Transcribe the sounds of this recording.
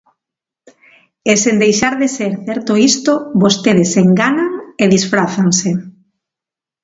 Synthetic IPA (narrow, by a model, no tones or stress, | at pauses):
esend̪ejʃaɾðeseɾθɛɾt̪oist̪oβost̪eðeseŋɡanaŋeðisfɾaθanse